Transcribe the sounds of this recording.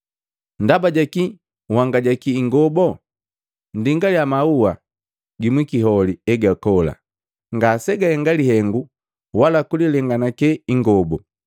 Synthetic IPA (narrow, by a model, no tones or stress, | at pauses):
n̩dabaɟaki | waŋɡaɟakiːŋɡɔbɔ | ndiŋɡaljamauwa | ɡimwikiɦɔliɛɡakɔla̰ | ŋɡasɛɡahɛŋɡalihɛŋɡu | walakulilɛŋɡanakɛiŋɡɔbɔ